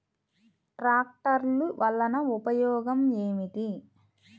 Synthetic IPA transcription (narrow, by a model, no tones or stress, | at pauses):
ʈɾaːk̚ʈɐɾluʋʔɐlːɐnɐupɐjɔːɡɐmeːmid̪i